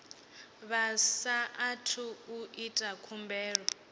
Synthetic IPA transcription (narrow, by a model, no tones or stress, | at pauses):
βasaʔːtʰuuʔitʼakʰumbɛːɺɔ